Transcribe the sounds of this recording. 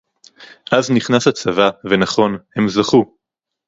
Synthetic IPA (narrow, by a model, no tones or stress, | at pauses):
ʔazniχnasat͡savave̞naχo̞nhe̞mzaχu